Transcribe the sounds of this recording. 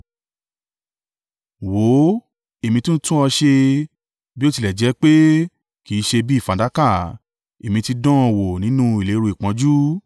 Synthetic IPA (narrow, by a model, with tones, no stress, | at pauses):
wo˨˦ | e˨mĩ˧tũ˦n̩˦tũ˦ɔ˧ʃe˧ | bi˦o˦ti˧lɛ˨d͡ʒɛ˨˦k͡pe˦ | ki˨˦ʃe˧bi˦˨fã˨da˨˦ka˦˨ | e˨mĩ˧ti˧dɔ̃˦ɔ˧˨wo˨nĩ˨˦nũ˦i˨le˨˦ɾo˧˨i˨k͡pã˨˦d͡ʒu˦